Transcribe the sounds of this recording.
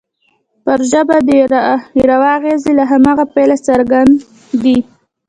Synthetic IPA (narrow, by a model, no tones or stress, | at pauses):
pəɾʒəbad̪əɾawɑɣezilaɦamɑɣapajlasaɾɡand̪ː | i